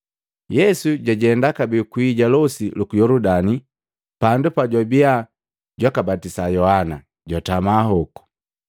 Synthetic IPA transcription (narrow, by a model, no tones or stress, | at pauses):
jɛsuɟaɟɛndakabikuiɟalɔsilukujɔludani | pandupaɟabia | ɟwakabatisajɔhana | ɟwatamaːɦɔku̥